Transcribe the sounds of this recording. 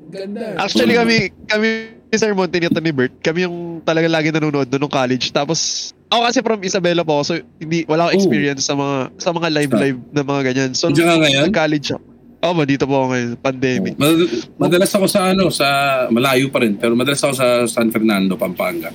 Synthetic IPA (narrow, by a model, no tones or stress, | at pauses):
ɡɐd̪ʔa̰k̚t͡ʃʊwɐlikɐmɛkɐmiɪsɛɹmont̪ɪnɪt̪onɪbɛɹt̪̚kɐmɛjʊŋt̪ɐlɐɡaŋlaːɡɪnɐnuːnoʔo̞d̪nonʊŋkaːlɛd͡ʒt̪aːposʔokɐsɛfɾɐmʔɪsɐbɛːlɐpoɐkosohɪnd̪iwʔɐlaːkoʔɛkspiːɹijɐnsːɐmɐŋasɐmɐŋalajvlajv̚nɐmɐŋaɡɐɲansod͡ʒaŋaŋɐjonɐkaːlɛd͡ʒɐ̰ko | ʔoːbɐd̪iːt̪opokoŋɐjonpɐnd̪ɛːmɪk̚mɐmɐd̪ɐlasɐko̞sɐʔɐno̞sɐmɐlaːjupɐɾɛnpɛɾomɐd̪ɐlasɐko̞s̬ɐsanfɛɾnand̪o̞pɐmpaŋɡɐ